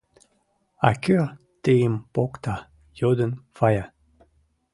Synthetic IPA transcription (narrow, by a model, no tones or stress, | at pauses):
a̰køʁ | t̪eimpɔkt̪a | jod̪ənfaja